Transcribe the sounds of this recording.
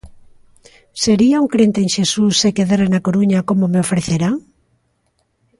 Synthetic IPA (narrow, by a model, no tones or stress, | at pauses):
seɾiauŋkɾent̪eːŋʃesusːekeðaɾenakoɾuɲakomomeofɾeθeɾaŋ